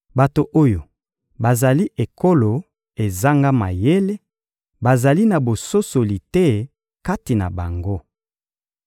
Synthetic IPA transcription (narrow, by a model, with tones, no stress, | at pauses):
ba˨to˨ʔo˦jo˨ | ba˨za˨li˦ʔe˨ko˦lo˨ | e˨za˦ŋɡa˦ma̰˨je˦le˦ | ba˨za˨li˦na˨bo˨so˦so˨li˨tɛ˦ | ka˦ti˨na̰˨ba̰˨ŋɡo˦